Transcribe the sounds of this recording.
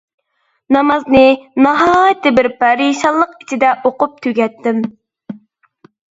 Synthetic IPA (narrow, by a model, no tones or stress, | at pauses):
nɑmɑznɨnɑɦɑjt̪ːɪbɪɾpɑɾiʃɑlˠːəqit͡ʃʰid̪ɛʔoqʊp̚t̪ʰyɡʲɛt̪ʰːɪm